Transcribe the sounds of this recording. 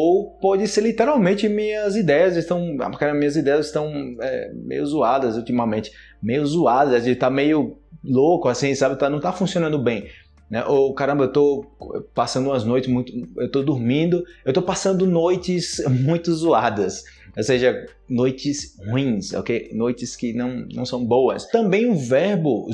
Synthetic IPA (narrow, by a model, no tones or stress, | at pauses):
owpɔd͡ʒɪseɾlit̪eɾawmẽt͡ʃɪmĩɲɐzid̪ɛjɐzɪst̪ɐ̃w̃a̰kaɾɐ̃bɐmĩɲɐzid̪ɛjɐzɪst̪ɐ̃w̃ɛmḛjʊzuad̪ɐzult̪imɐmẽt͡ʃɪ̥ | mejʊzuad̪ɐzɛzẽt̪amejʊlokʊasĩsabɪt̪anɐ̃w̃t̪afũsiõnɐ̃nd̪ʊbẽj̃ | nɛ̰ʔokaɾɐ̃bɐewt̪oɛ̰pasɐ̃nd̪ũɐznojt͡ʃɪ̥zmũj̃t̪ʊewt̪od̪uɾmĩd̪ʊewt̪opasɐ̃nd̪ʊnojt͡ʃɪzmũj̃t̪ʊzuad̪ɐs | oseʒɐ | nojt͡ʃɪshuĩso̰kenojt͡ʃɪskɪnɐ̃w̃nɐ̃w̃sɐ̃w̃bowɐst̪ɐ̃mbẽj̃ʊ̃vɛɾbʊ